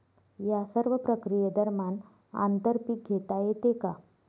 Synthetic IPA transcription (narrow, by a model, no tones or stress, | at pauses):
jasəɾʋəpɾəkɾijəd̪əɾman | a̰nt̪əɾpik̚ɡʱet̪ajet̪eka